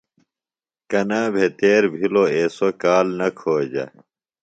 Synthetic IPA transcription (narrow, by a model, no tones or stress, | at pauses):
kɐnaːbʱet̪eːɾbʱiloeːsokaːlnɐkʰoːd͡ʑɐ̰